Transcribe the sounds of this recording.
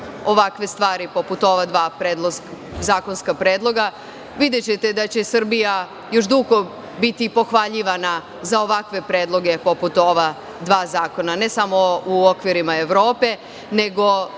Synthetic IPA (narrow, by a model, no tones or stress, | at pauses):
o̞ʋakʋe̞st̪ʋaːɾipo̞put̪o̞ʋad̪ʋaːpɾeːd̪lˠoszaːko̞nskapɾeːd̪lˠo̞ɡa | ʋid̪e̞t͡ɕe̞t̪e̞d̪at͡ɕe̞sr̩bija | jo̞ʃ̬d̪uɡo̞ | bit̪ipo̞xʋaʎiʋana | zao̞ʋakʋe̞pɾe̞ːd̪lˠo̞ɡe̞po̞put̪o̞ʋa | d̪ʋaːzaːko̞nane̞samo̞uokʋiɾimae̞ʋɾo̞ːpe̞ | ne̞ɡo̞